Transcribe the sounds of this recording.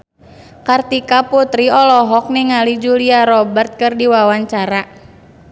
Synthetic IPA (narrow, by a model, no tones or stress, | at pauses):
kart̪ikaput̪ɾiɔlɔɦɔk̚niŋalid͡ʒuliaɾɔbərt̪̚kɨrdiwawaɲt͡ʃaɾa